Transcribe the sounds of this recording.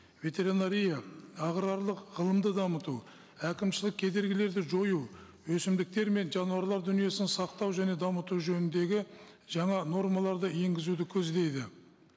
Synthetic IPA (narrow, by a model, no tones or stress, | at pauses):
vʲe̞t̪e̞ɾinaɾʲijaɑʁɾɑɾlˠəqʁəlˠəmd̪əd̪ɑmət̪u | ækʲɪmʃɪlɪk̚ʲʰe̞d̪e̞ɾɡʲɪle̞ɾd̪ɪʒo̞ju | wɵsɪmd̪ɪk̚t̪e̞ɾme̞nʒɑnuɑɾlˠɑɾd̪ʏnije̞sɪnsɑqt̪ɑwʒæne̞d̪ɑmət̪uʒɵnɪnd̪e̞ɡʲɪ | ʒɑɴɑno̞rmɑlˠɑɾd̪əe̞ŋɡʲɪzud̪ɪkʲʰɵzd̪e̞jd̪ɪ